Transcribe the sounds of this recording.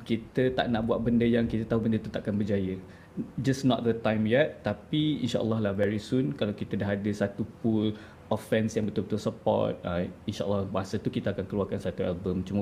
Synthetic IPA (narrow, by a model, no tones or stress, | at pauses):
kit̪ət̪a̰ʔnaʔbuaʔ̚bəndəjaŋkit̪ət̪aɦubəndət̪ut̪aʔakanbəd͡ʒajə | d͡ʒasnɔt̪̚d̪ət̪ãjmjɛt̪ːapiḭnʃaʔə̰lːɔɦlahvɛɾisunkalawkit̪ədaɦadəsat̪upul | ɔfɛnsjaŋbət̪ʊlbət̪ʊlsəpɔ̰t̪̚əinʃaʔə̰lːɔbasət̪ukit̪əakankəluakansat̪uɛlbəmt͡ʃum